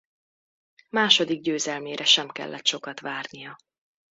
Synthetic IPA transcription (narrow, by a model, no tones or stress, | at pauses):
maːʃo̞d̪iɡ̚ɟøːzɛlmeːɾʔɛʃɛmkɛ̰lːɛt̪ʃo̞kɒt̪ʋaːrnijɒ